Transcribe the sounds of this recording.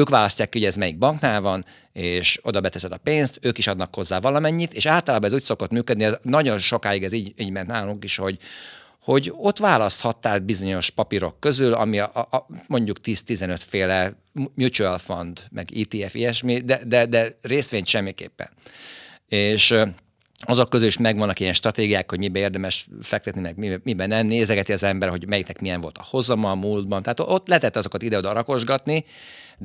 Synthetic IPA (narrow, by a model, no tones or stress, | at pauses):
øːkʋaːlɒscːaːkːihoɛzmɛjiɡ̚bɒŋknaːlvɒn | eːʃo̞d̪ɒbɛt̪ɛsɛd̪ɒpeːnst̪øːkiʃɒd̪nɒkho̞zːaːvɒlɒmɛɲːit̪eːʃaːlt̪ɒlaːbɒnɛzuːcʲso̞ko̞t̪myːkød̪niɛnɒɟo̞nʃo̞kaːjiɡɛziːiːɟmɛnt̪naːluŋkiʃho̞ɟ | ho̞ɟo̞t̪ʋaːlɒst̪hɒt̪ːaːl̚bizo̞ɲo̞ʃpɒpiɾo̞kːø̞zylɒ̰mimo̞ɲɟukt̪iːst̪izɛnøt̪feːlɛ | mjut͡ʃuɛlfond̪mʔɛ̰ɡiːt̪iːɛfiɛʃmid̪ɛd̪ɛd̪ɛreːst̪ʋeːɲt̪ʃɛmːikḛːpːɛ̰n | eːʃ | ɒzo̞kːøzyliʃmɛɡʋɒnːɒkijɛnʃt̪rɒt̪eːɡijaːkho̞ɟmibɛeːrd̪ɛmɛʃfɛk̚t̪ɛt̪nimɛɡmimibɛnɛmneːzɛɡɛt̪iɒzɛmbɛɾɦo̞ɟmɛjiknɛkmijɛɱvo̞lt̪ɒ̥ho̞zɒmɒmuːld̪̚bɒnt̪ɛaːt̪ʔot̪ːlɛt̪ɛt̪ːɒzo̞kɒt̪id̪ɛoːd̪ɒɾɒko̞ʒɡɒt̪ni